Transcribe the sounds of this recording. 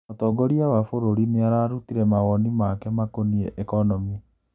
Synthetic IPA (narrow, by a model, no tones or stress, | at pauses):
ɔtɔɡɔɾiawafoɾoɾineaɾaːɾutiɾɛmaɣɔnimakɛmakoniɛʔekɔnɔmi